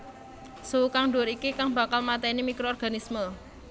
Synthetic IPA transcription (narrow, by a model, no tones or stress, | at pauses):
suwukaŋɖoɾikikaŋba̤kalmat̪ɛnimikɾoɔrɡ̥a̤nismə